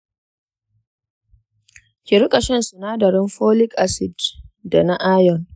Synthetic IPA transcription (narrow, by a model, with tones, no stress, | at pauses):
kʲi˨ɾʊ˦kʼɐ˨ʃɛ˦nsu˨naː˦dɐ˨ɾɪ˦mɸoː˦lɪ˦kʔa˦sɪ˨dda˨na˦ʔaː˦jɔ˨n